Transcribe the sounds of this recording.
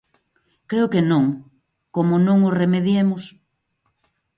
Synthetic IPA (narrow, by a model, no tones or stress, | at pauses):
kɾeʊkenõŋ | komonõŋoremeðjemʊs